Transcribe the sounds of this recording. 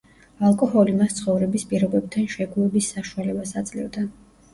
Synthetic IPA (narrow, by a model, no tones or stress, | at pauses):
alˠkʼɔhɔlimast̪sʰχɔvɾɛbispʼiɾɔbɛb̚t̪ʰanʃɛɡuɛbisːaʃualɛbasat̪sʼlḭvd̪a